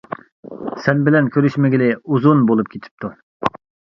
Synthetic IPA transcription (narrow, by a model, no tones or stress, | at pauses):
sɛnbɪlɛnkʲʰøɾyʃmɪɡʲilɪuzunbolˠup̚kʲʰet̪ʰɪ̥p̚t̪u